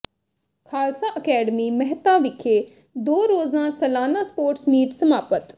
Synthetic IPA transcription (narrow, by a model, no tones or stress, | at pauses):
kʰaːlsaːʔəkɛːɖəmiːmɛɦt̪aːʋɪkʰeː | d̪oːɾoːzãːsəlaːnaːspoːɾʈsmiːʈsəmaːpət̪